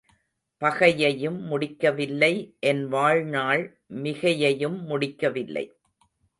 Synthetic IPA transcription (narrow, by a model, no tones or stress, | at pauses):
pɐɣɐjɐjɯmːʊɽɪkːɐʋɪlːɐɪʔɛnʋaːɻnaːɭ | mɪɣɐjɐjɯmːʊɽɪkːɐʋɪlːɐ̰ɪ